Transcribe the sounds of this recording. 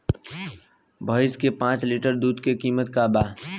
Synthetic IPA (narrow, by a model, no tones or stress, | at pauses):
bʱəːɪskepãːt͡ʃlɪʈəɾd̪uːd̪kekiːmət̪kabaː